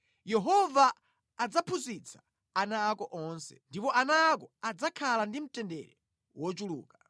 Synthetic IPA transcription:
jɛɦɔvaː | d͡zapʰuzit͡sʰḁ | anaːkɔʔɔnsɛ̰ndipɔʔanaːkɔad͡zakʰalandim̩tɛndɛ̰ɾɛ | wɔt͡ʃulṵːka

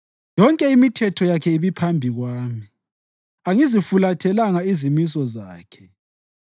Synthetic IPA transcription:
jɔŋkʼɛimitʰɛtʰɔjakʰɛiβipʰambʱiɣwaːmi | aŋizifulatʰɛlaŋaizimis̬ɔzaːkʰɛ̥

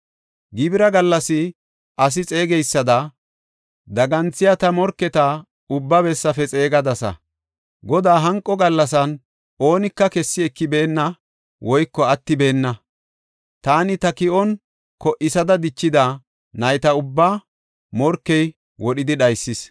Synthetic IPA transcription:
ɡɪbɪɾɐɡɐlːɐsɪ | ʔɐs̬ɪt͡sʼe̞ːɡɛjsːɐd̪ɐ | d̪ɐɡɐnt͡sːɪjat̪ɐmɔɾkːɛt̪ɐ | ʊbːɐbɛsːɐfɛt͡sʼe̞ːɡɐd̪ɐsɐ̰ | ɡɔd̪aːɦɐŋkʼːɔɡɐlːɐs̬ɐn | o̞ːnɪkːɐkɛsːɪɛkːɪbeːnːɐ | wʔɔjkːɔɐt̪ːɪbe̞ːnːɐ | t̪aːnɪt̪ɐkɪʔɔn | kɔʔɪsɐd̪ɐd̪ɪt͡ʃːɪd̪ɐ | nɐjt̪ɐʊbːa | mɔɾkːɛj | wɔɗɪd̪ɪɗɐjsːɪs

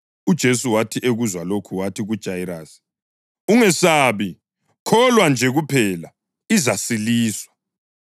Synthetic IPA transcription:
ud̥ʒ̥ʱesuwatʰiʔeɣuzwalokʰuwatʰiɣud̥ʒ̥ʱajiɾaːsi̥ | uŋɛsaːβi | kʰɔlwand͡ʒʱɛɣupʰɛla | izasiliːswḁ

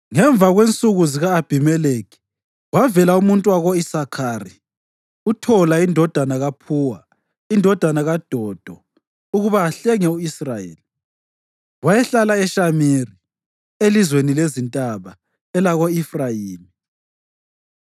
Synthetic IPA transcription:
ŋɛɱb̪vʱaɣwent͡sʼuɣuziɣaːb̥ʱimɛlekʰi̥ | wavɛlaumuntʼwaɣɔisakʰari | utʰɔlaindʱɔd̥ʱanaɣapʰuːwa | indʱɔd̥ʱanaɣad̥ʱɔd̥ʱɔ | uɣuβaːɬɛŋɛuisrajḛːli | wajɛɬalaɛʃamiri | elizwenilezintʼaβa | ɛlaɣoifrajiːmi

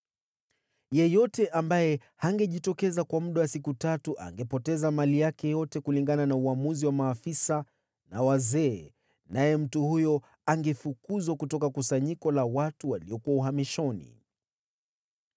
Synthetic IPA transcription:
jɛjɔtɛʔambajɛ | haŋɡɛʄitɔkɛzakwamuɗawasikutatuʔa̰ŋɡɛpɔtɛzamalijakɛjɔtɛkuliŋɡananauamuziwamaːfisa | nawazɛː | najɛm̩tuhujɔ | aŋɡɛfukuzwakutɔkakusaɲikɔlawatuwaliɔkuwauɦamiʃɔnḭ

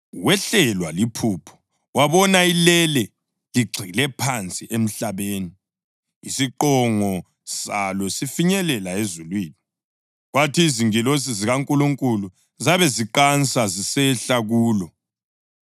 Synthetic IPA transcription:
wɛɬɛlwalipʰupʰɔ̥ | waβɔnailɛlɛ | liɡ͡ǀʱilɛpʰant͡sʼiʔem̩ɬaβeːniː | siǃɔŋɔ | salɔsifiɲɛlɛlaezulwiːni | ɣwatʰiːziŋilosiziɣaŋkʼuluŋkʼulu | zaβɛziǃant͡sʼazisɛɬaɣuːlɔ

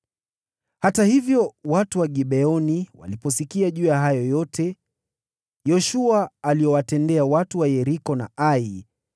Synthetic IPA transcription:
hatahivjɔwatuwaɠiɓɛɔniwa̰lipɔsikiaʄuːjaɦajɔjɔtɛ | jɔʃuaːliɔwatɛndɛawatuwajɛɾikɔna̰ai

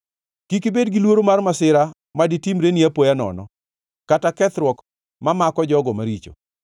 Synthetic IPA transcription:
kikibedɡilwoɾomarmasɪɾa | maditimɾeniapojanɔ̰nɔ̰ | katakɛt̪ɾwɔk | mamakɔd͡ʒɔɡɔmaɾit͡ʃo̰

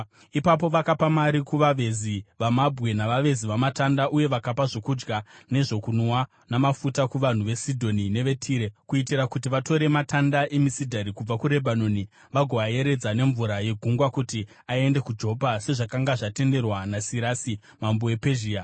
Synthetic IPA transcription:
ipap̬o̞ʋakapamaɾikuʋaʋe̞ziʋamabʱɣe̞naʋaʋe̞ziʋamatandaʔuje̞ʋakapaʐo̞kud͡ʒɡane̞ʐo̞kunwa | namafutakuʋan̤uʋe̞sidʱo̞nine̞ʋe̞tʰiːɾekuitirakutiʋato̞ɾe̞matʰandaʔe̞misidʱaɾikub͡vakuɾe̞bʱano̞ni | ʋaɡʱoʋaje̞ɾe̞d͡zane̞ɱvuɾaje̞ɡʱuŋɡwakuti | aie̞nde̞kud͡ʒo̞pase̞ʐakaŋɡaʐate̞nde̞rwanasiɾaːsi | mamboe̞pe̞ʒiːa

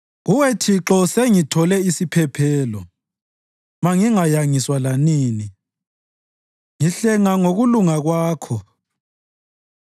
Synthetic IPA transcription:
ɣuwetʰiǁɔseŋitʰɔlɛisipʰɛpʰɛːlɔ | maŋiŋajaŋiswalaniːni | ŋiɬɛŋaŋoɣuluŋaɣwaːkʰɔ

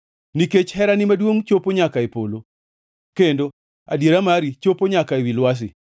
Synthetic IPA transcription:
niket͡ʃhɛɾanɪmadwoŋt͡ʃopoɲakaepolo | kendo | a̰djeɾamaɾit͡ʃopoɲakaewilwas̬ɪ̰

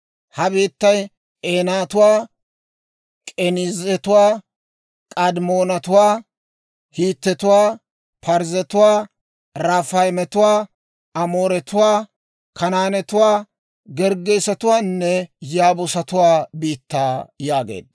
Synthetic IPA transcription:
hɐbiːt̪ːɐj | ʔeːnaːt̪ʊwaː | kʼɛnɪzɛt̪ʊwaː | kʼɐd̪moːnɐt̪ʊwaː | hiːt̪ːɛt̪ʊwaː | pʰɐɾzɛt̪ʊwaː | ɾaːfɐjmɛt̪ʊwaː | ɐmoːɾɛt̪ʊwaː | kʰɐnaːnɛt̪ʊwaː | ɡɛɾɡejsɐt̪ʊwaːnːɛjaːbʊsɐt̪ʊwaːbiːt̪ːaːjaːɡḛːd̪ː

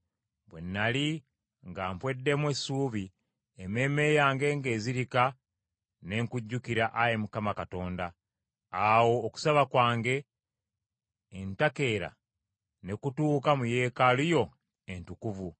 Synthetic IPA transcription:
bwe̞̰nːali | ŋɡaːmpwe̞dːe̞mwesuːβi | eme̞me̞jaːŋɡe̞ŋɡe̞ːziɾika | ne̞ŋkuɟːukiɾaʔajemukamakato̞ːndaː | wo̞ːku̥saβakwaːŋɡe̞ | ntake̞ɾa̰ | ne̞kutuːkamuje̞ːkalujo̞ | entukuvu

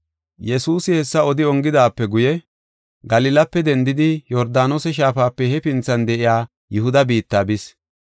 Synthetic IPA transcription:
jɛsuːsɪhɛsːɐɔd̪ɪɔŋɡɪd̪aːpːɛɡʊjɛ | ɡɐlɪlɐpːɛd̪ɛnd̪ɪd̪ɪjɔɾd̪aːnosɛʃ̬aːfaːpːɛhɛpɪnt͡sːɐnd̪ɛʔɪjaː | jʊhʊd̪ɐbiːt̪ːaːbɪs

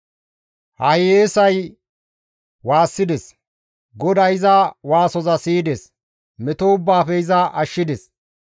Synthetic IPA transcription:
hɐjeːsɐj | waːsːɪd̪ɛs | ɡɔd̪ɐjɪzɐwaːsɔzɐsiːd̪ɛs | mɛt̪oʊbːaːfɛɪzɐʔɐʃːɪd̪ɛs

